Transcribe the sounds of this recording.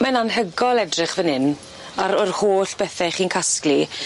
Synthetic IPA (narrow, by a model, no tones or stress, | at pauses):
mɛnanɦəɡɔlˠɛdrɪχvənɪn | aɾɔrhoːɬb̥ɛθɛχiːnkʰaskli